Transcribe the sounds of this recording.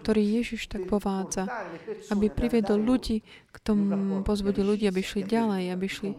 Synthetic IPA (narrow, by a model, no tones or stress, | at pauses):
kt̪ɔɾiːjɛʒiʃt̪aɡpɔʋaːd͡zaabipɾiʋjɛd̪ɔlʎuɟiː | kt̪ɔmupɔzbuɟilluɟiːabiʃliɟalɛjabiʃli